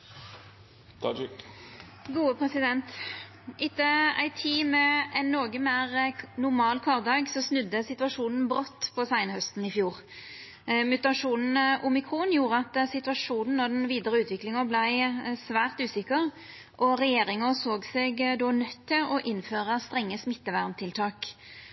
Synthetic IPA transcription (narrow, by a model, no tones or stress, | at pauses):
ɡuːəpʰɾɛsɪd̪ɛnt̪ | ʔɪt̪ːəæ̰ɪt̪ʰiːmɛɛnːoːɡəmæʁnʊʁmɑːlkʰɔʁd̪ɑːɡsɔsnʉd̪ːəsɪt̪ʉʋɑʂuːnn̩bʁɔt̪ːpʰɔsæɪnəhœst̪n̩ɪfjuːʁ | mʉt̪ɑʂuːnn̩ʔʊmɪkʰɾuːnjuːɾəɑt̪sɪt̪ʉʋɑʂuːnn̩nɔd̪ɛnʋiːd̪əʁəʉːt̪ʋɪklɪŋəblæɪsʋæːʁt̪ʉːsɪkːəʁ | ʔɔɾɛjeːɾɪŋəsoːɡsɛɡd̪ɔnœt̪ʰːɪlɔʔɪnːføːʁəst̪ɾɛŋːəsmɪt̪ːəʋæʁmt̪ʰɪlt̪ʰɑːk